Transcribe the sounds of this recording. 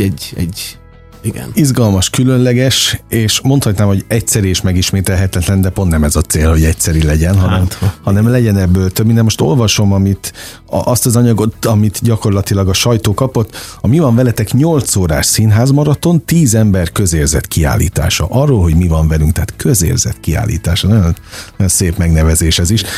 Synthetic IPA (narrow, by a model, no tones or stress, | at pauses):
ɛ | ɡ̰nizɡɒlmɒʃkylø̞nlɛɡɛʃeːʃmo̞nt̪hɒt̪naːmho̞ɟɛctsɛɾieːʃmɛɡiʃmeːt̪ɛlɦɛt̪ɛt̪lɛnd̪ɛpo̞nt̪nɛmɛzɒt̪seːlho̞ɟɛctsɛɾilɛɟɛnɦɒnɛmhɒnɛmlɛɟɛnɛbːøːlt̪øbminɛmoʃt̪o̞̰lvɒʃo̞mɒmit̪ | ʔɒst̪ɒzɒɲɒɡo̞t̪ɒmit̪ɟɒko̞rlɒt̪ilɒɡɒʃɒjt̪oːkɒpo̞t̪ːɒmivɒɱvɛlɛt̪ɛkɲo̞lt̪soːɾaːʃsinɦaːzmɒɾɒt̪o̞nt̪iːzɛmbɛrkø̞zeːrzɛ̰t̪kia̰ːlːḭːt̪a̰ːʃɒ̰ʔɒrːoːlɦo̞ɟmivɒɱvɛlyŋkt̪ɛaːt̪kʰøzḛːrzɛ̰t̪kia̰ːlḭːt̪aːʃɒnɒjo̞nnojonseːpmɛɡnɛvɛzeːʃhɛziʃ